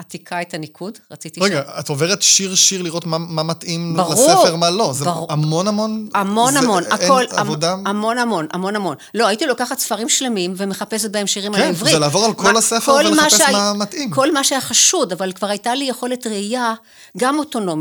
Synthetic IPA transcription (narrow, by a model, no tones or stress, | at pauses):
atikʰaetanikʰudʁat͡sit̪iʁeɡaatoveʁet̪ʃiʁʃiʁliʁo̞tmamamat̪ʔimbalʁuefeʁmalo̞zebaʁuamo̞namonamo̞namo̞nakolaodaamo̞namo̞na̰mo̞namo̞nlo̞ajitilo̞kaχatsfɐʁimʃle̞mimvemeχape̞s̬et̚bahemʃiʁimalivʁizelaːvo̞ʁalkʰolasefeolemaʃeamamatʔimko̞lmaʃeaχaʃudavalkvaʁajtalijeχo̞letʁeija | ɡamo̞to̞no̞mi